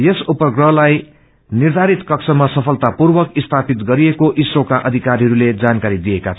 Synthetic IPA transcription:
jesupʌɡrʌɦlaj | nird̪ʱaɾit̪kʌksʰʌmasʌpʰʌlt̪apurbʌkist̪ʰapit̪ɡʌɾiekoʔiswokaʔʌd̪ʱikaɾɦʌɾuled͡zankaɾid̪ijekat͡sʰ

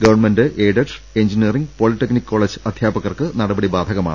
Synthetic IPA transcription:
ɡɐʋɐrnmendɨʔeːɖɐʈ | e̞nd͡ʑiniɐriŋɡpo̞ːlitːeknikːoːɭed͡ʑɨɐd̪ʱjaːbɐɣɐrkɨnɐɽɐbɐɽibaːd̪ʱɐɣɐma̰ɳɨ

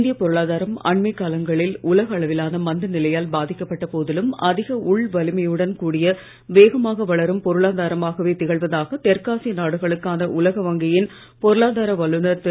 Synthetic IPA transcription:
nd̪ɪjɐpɔɾɯɭaːðaːɾɐmɐ̰ɳmɐɪkːaːlɐŋɡɐɭɪlʊlɐɣɐːɭɐʋɪlaːnɐmɐnd̪ɯnɪlɐjaːlbaːðɪkːɐpːɐʈːɐpoːðɪlɯmɐ̰ðɪɣɐʔʊɭʋɐlɯmɐjɯɽɐnkuːɽɪjɐ | ʋeːɣɐmaːɣɐʋɐɭɐɾɯmpɔɾɯɭaːðaːɾɐmaːɣɐʋeːt̪ɪɣɐɭʋɐðaːɣɐt̪ɛɾkaːsinaːɽɯɣɐɭɯkːaːnɐʔʊlɐɣɐʋɐŋɡɐjɪn | pɔɾɯɭaːðaːɾɐʋɐlɯnɐɾt̪ː

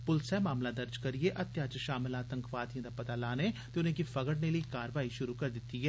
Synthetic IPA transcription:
pʊlsɛːmaːmlaːd̪əɾd͡ʒkəɾɪeːʔət̪jaːt͡ʃʃaːmlãːt̪əŋkʋaːt̪ijãːd̪aːpət̪aːlaːneːt̪eːʊnẽːkipʰəɡəɽneːləiːkaːɾʋaːiːʃʊɾuːkəɾd̪ɪt̪ːiːɦɛː

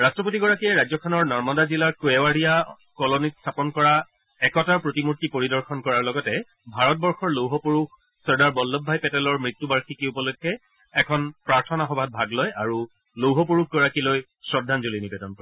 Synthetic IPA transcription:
ɹastɹɔpotiɡɔɹakiɛɹajzɔkʰɔnɔɹnɔɹmɔdazilaɹkoɛwaɹija | kɔlonitstʰapɔnkɔɹa | ɛkɔtaɹpɹotimutːipoɹidɔɹxʰɔnkɔɹaɹlɔɡɔtɛ | bʱaɹɔt̚bɔɹxɔɹlowɦɔpuɹux | sɔɹdaɹbɔlːɔbʱːajpɛtɛlɔɹmɹitːubaɹxikiupɔlokʰːɛ | ɛkʰɔnpɹaɹtʰɔnaxɔbʱat̚bʱaɡlɔjaɹu | lowɦɔpuɹuk̚ʰɡɔɹakiloj | sɹɔdʱanzolinibedɔnkɔɹɛ

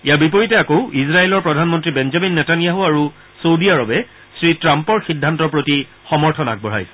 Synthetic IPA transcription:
ijabipɔɹitɛakoʊizɹaelɔɹpɹɔdʱanmɔntɹibɛnzaminːɛtanijaɦuaɹu | sowdijaɹɔbɛ | sɹitɹampɔɹxidʱːantɔɹpɹoti | xɔmɔɹtʰɔna̰k̚bɔɹ̤a̰jsɛ̥

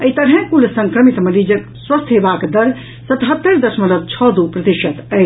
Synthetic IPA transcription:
əit̪əɽɦɛ̃kulsə̃ŋkɾəmit̪mənid͡ʒək | swəst̪ʰɦebakd̪əɾ | sət̪ɦət̪ːəɾd̪əsmələd̪̚t͡ʃʰɔd̪upɾət̪iʃət̪ə

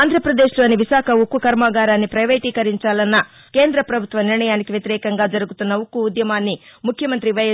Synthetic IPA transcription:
aːnd̪ʱɾɐpɾɐd̪eːʃlo̞ːniʋiʃaːkʰɐukːukɐɾmaːɡaːɾaːnːipɾɐjʋeːʈiːkɐɾiɲt͡ʃaːlɐnːɐ | ke̞ːnd̪ɾɐpɾɐbʱut̪ʋɐniɾɳɐjaːnikiʋjɐt̪iɾɛːkɐŋɡaːd͡ʒɐɾuɡut̪unːɐukːuːd̪jɐmaːnːimukʰjɐmɐnt̪ɾiʋɐj

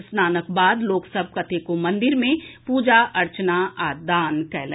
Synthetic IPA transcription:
snaːnək̚baːd̪loːksəb̚ʱkɐt̪ʰekomɐ̃nd̪ɪɾmẽpuːd͡ʒaʔɐɾt͡ʃnaaːd̪aːnkɛːl̃ː

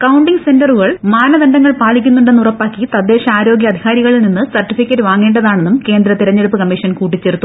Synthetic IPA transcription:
kɐwɳɖiŋse̞ndɐruɣɐɭmaːnɐd̪ɐnɖɐŋːɐɭpaːɭikʲːunːuɳɖe̞nːurɐpːaːkːit̪ɐd̪ːe̞ːʂɐaːɾo̞ːɡjɐɐd̪ʱiɣaːɾiɣɐɭilninːɨsɐrʈːifikʲːɐtːɨʋaːŋːeːɳɖɐðaːɳe̞nːumke̞ːnd̪ɾɐt̪iɾɐɲːe̞ɽupːɨkɐmːiʂɐnkuːʈːit͡ɕːeɾut̪ːu

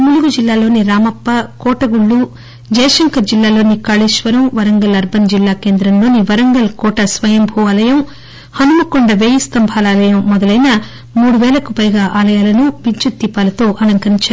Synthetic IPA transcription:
muluɡud͡ʒilːaːlo̞ːniɾaːmɐpːɐkɔːʈɐɡuɭːu | d͡ʒɐjɐʂɐŋkɐd͡ʒilːaːlo̞ːnikaːɭiːʃʋɐɾɐmʋɐɾɐŋɡɐlɐɾbʱɐnd͡ʒilːaːkeːnd̪ɾɐmlo̞ːniʋɐɾɐŋɡɐlkɔːʈɐsʋɐjɐmbʱuːɐːlɐjɐm | hɐnumɐkɔɳɖɐʋeːjist̪ɐmbʱaːlaːlɐjɐmːɔd̪ɐlɐjnɐ | muːɽuʋɛːlɐkupɐjɡaːʔaːlɐjaːlɐnuʋiɲt͡ʃut̪ːipːaːlɐt̪o̞ːʔɐnɐŋkɐɾiɲt͡ʃaːɾu

